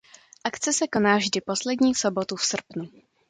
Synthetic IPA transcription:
ʔakt͡sɛsɛko̞naːvʒdɪpo̞slɛdɲiːso̞bo̞t̪ufsr̩pnu

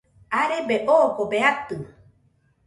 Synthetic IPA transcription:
aɾebeʔoːkobeat̪ɨ

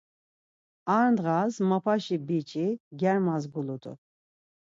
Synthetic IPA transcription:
aɾnd̪ʁazmapʰaʃibit͡ʃʼiɡʲɛɾmazɡulut̪ʰʼṵ

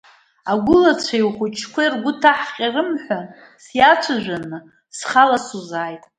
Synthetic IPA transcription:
aɡʷʊlat͡ɕʷʰajχʷʊt͡ʃʰkʷarɡʷʊtʰaħqʲʼarɨmħʷᶣan | sjat͡ʃʷʰaʒʷᶣanɨ | sχalasuzaːjtʼ

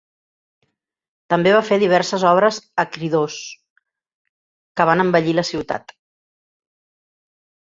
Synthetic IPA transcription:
t̪əmbeβ̞afeðiβ̞ɛɾsəzɔβ̞ɾəzəkɾiðos | kəβanəmbəʎiləsiwt̪a̰t̪

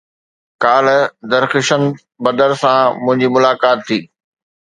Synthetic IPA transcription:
kaːl̤̆d̪ɐɾxɪʃənɪ̆ | bɐd̪əɾsãmʊ̃ɦɪ̃ɲd͡ʑimʊlaːkaːt̪ʰːiː

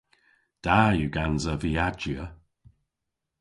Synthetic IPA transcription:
d̥ajuɡanzəviad͡ʒə

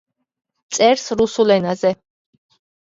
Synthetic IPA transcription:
t̪sʼɛɾsɾusulɛnazɛ

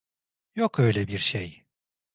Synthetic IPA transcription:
jokʰø̞jlʲɛbiɾʃej

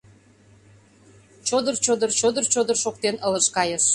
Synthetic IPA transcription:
t͡ɕod̪ərt͡ɕod̪ərt͡ɕod̪ərt͡ɕod̪ərʃok̚t̪enələʃkɑjəʃ

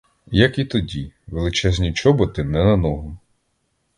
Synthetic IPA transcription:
jɐkit̪ɔdʲiʋelˠɪt͡ʃɛzʲnʲit͡ʃɔbɔt̪ɪnɛnɐnɔɦʊ

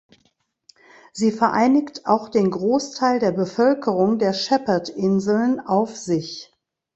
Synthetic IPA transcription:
z̥iːfɛɐʔa̰ɪnɪktaʊxd̥eːnɡʁoːstʰaɪldeːɐbəfœlkʰəʁ̞ʊŋdeːɐʃɛpɐtʔɪnzl̩nʔaʊfz̥ɪç

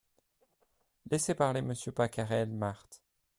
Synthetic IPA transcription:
lɛsepaʁleməsjøpakaʁɛlmaʁt̪

